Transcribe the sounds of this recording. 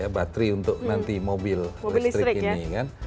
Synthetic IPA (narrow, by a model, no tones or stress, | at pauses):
abat̪ɾiunt̪ʊknant̪imobɪllsst̪ɾɪɾkinikan